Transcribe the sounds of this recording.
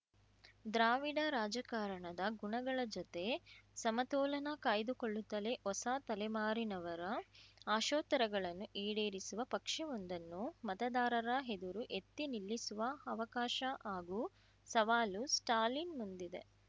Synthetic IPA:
d̪ɾaːʋiɽɐɾaːd͡ʒɐkaːɾɐɳɐd̪ɐɡuɳɐɡɐɭɐd͡ʒɔt̪e̞sɐmɐt̪ɔːlɐnɐkaːjd̪ukoɭːut̪ːɐle̞ʔɔsaːt̪ɐlɛmaːɾinɐʋɐɾɐaːʃɔːt̪ɐɾɐɡɐɭɐnːuʔiːɽe̞ːɾisuʋɐpɐkʂɛond̪ɐnːumɐt̪ɐd̪aːɾɐɾɐɦed̪uɾuʔet̪ːinilːisuʋɐɐʋɐkaːʃɐaːɡuː | sɐʋaːlusʈaːɾlinmund̪id̪e̞̰

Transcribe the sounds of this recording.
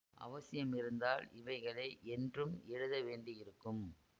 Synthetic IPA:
ʔɐ̰ʋɐsɪjɐmɪɾɯnd̪aːlɪʋɐɪɣɐɭɐːʔɛndrɯmɛɻɯðɐʋeːɳɖɪjɪɾɯkːɯm

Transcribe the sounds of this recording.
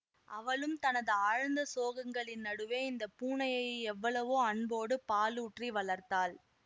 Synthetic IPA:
ʔɐʋɐɭɯmt̪ɐnɐðɯaːɻɐnd̪ɐsoːɣɐŋɡɐɭɪnnɐɽɯʋeːɪnd̪ɐpuːɳɐjɐɪjɛʋːɐɭɐʋoːɐɳboːɽɯpaːluːʈriʋɐɭɐɾt̪aːl

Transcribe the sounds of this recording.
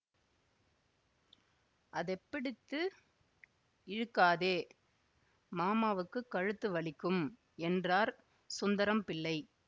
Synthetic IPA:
ʔɐðɛpːɪɽɪt̪ːɯ | ɪɻɯkːaːðeː | maːmaːʋɯkːɯkːɐɻɯt̪ːɯʋɐɭɪkːɯm | ɛndraːɾ | sʊnd̪ɐɾɐmpɪlːɐɪ

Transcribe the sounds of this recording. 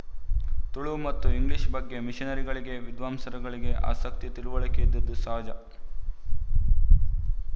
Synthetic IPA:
t̪uɭumɐt̪ːuiŋɡliʃbɐɡːe̞miʃinɐɾiɡɐɭiɡe̞ʋid̪ʋaːmsɐɾɐɡɐɭiɡe̞a̰ːsɐk̚t̪it̪iɾuʋɐɭɐked̪ːɐd̪ːusɐɦɐd͡ʒɐ

